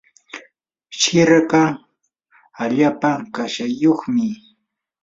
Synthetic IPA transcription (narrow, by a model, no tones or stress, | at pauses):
ʃɪɾɢa | aʎaːpakaʃajoχmɪ